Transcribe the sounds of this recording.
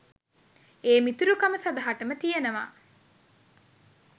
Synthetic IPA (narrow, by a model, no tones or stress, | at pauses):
eːmit̪uɾukɐməsɐd̪ɐɦaʈɐmət̪ijenɐʋa̰ː